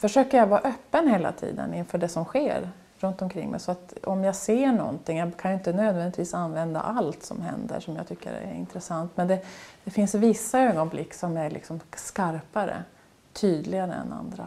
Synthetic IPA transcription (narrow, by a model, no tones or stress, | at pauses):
fœʂøːkəɾjavɑːɾʔœːpːənheːla̰t̪ʰḭːd̪ə̰nɪnfœːɖɛsɔmɧeːɾ | ɾɵnt̪ɔmkʰɾɪ̰ŋːmʔɛ̰sɔat̪ɔmjaɡseːɳɔ̰nt̪ɪŋjɑːkʰanjɵɪnt̪ənøːd̪vɛnɪt̪viːsanːvɛnd̪a̰ʔalt̪sɔ̰mɦɛ̰nd̪ə̰ʂɔmja̰ɡ̚t̪ʰʏkːə̰ɾæ̰ɾɪ̰nt̪ɾɛsant̪mɛnd̪ɛd̪̥ɛfɪnsvɪsːaøːɡɔnblɪkːsɔmæɾɭʔɪ̰ksɔmskaɾpaɾə̰ | t̪ʰyːd̪lɪɡaɾəɛ̰na̰nd̪ɾa